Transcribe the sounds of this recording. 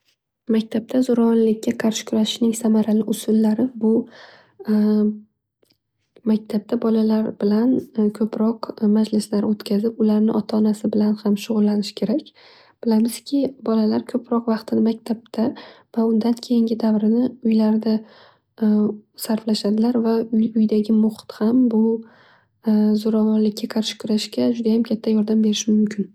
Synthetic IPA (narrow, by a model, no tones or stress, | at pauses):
makʲt̪ʰab̚t̪ʰazʊɾɒnlɪkʲːaqʰɑɾʃɪ̥kʰʊɾaʃɪʃnɪŋsamaɾalɪʔʊsʊlːaɾɪbʊ | makʲt̪ʰap̚t̪ʰabɒlalaɾbɪlankʰɵpʰɾɒqmad͡ʒlɪslaɾot̪kʲʰazɪpʊlaɾnɪʔɒt̪ʰaːnasɪbɪlanhamʃʊʁʊlːanɪʃkʲʰe̞ɾakʲ | b̥ɪlamɪz̥kʲʰɪbɒlalaɾkʰɵpʰɾɒqvɑqt̪ʰɪnmakʲt̪ʰab̚t̪ʰavaʊnd̪ankʲʰejɪŋɡʲɪd̪avɾɪnɪʊjlaɾd̪a | saɾflaʃad̪ɪlaɾvaʊjʊjd̪aɡʲɪmʊχt̪hambʊ | zoɾavɒnlɪkʲːakʰaɾʃɪ̥kʰʊɾaʃkʲad͡ʒʊd̪ajamkʲʰat̪ʰːajɒɾd̪ambe̞ɾɪʃɪmʊmkʲʰɪn